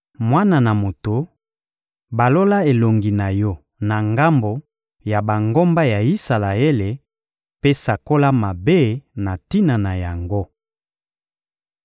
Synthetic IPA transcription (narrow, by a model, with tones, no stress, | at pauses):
mwa˦na˨na˨mo˨to˨ | ba˨lo˦la˦e˨lo˨ŋɡi˨na˨jɔ˦ | na˨ŋɡa˦mbo˨ | ja˨ba˨ŋɡo˦mba˦ja˨i˦sa˨la˨e˦le˨ | pe˦sa˨ko˦la˦ma˨be˦na˨ti˦na˨na˨ja˨ŋɡo˦